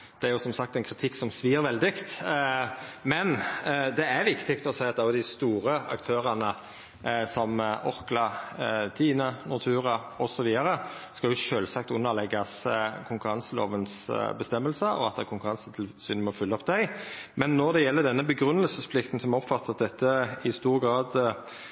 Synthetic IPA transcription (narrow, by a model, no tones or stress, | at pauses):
d̪̥ɛæɾjʊsɔmsɑk̚t̪ɛɪnkʰɾɪt̪ʰɪkːsɔmsʋiːəɾʋɛld̪ɪkt̪ | mɛnd̪ɛæɾʋɪkt̪ɪkt̪ɔsæɪɑt̪d̪ɑjʊd̪æɪst̪uːɾəɑ̰kt̪ʰøːʁɑnə | sɔmʔɔʁklɑt̪ʰiːnənʊt̪ʰʉːʁɑ | ɔsɔʋiːd̪ɑɾə | skɑljʊʃøːlsɑkt̪ʉnːəʁlɛɡːɑskʰʊŋkʉɾɑnsəlo̰ːʋənsbəst̪ɛmːəlsəɔ̰ɑt̪̚d̪ɛkʰʊŋkʉʁɑnsət̪ʰɪlsyːnmɛɔfʏlːɔpd̪æɪmɛnːɔʁd̪ɛjɛlːəd̪ɛnːəbəɡɾʉnːəlsəspʰlɪkt̪n̩sɔmɔpfɑt̪ːəɑt̪̚d̪ɛt̪ʰːəɪst̪uːʁɡɾɑːd̪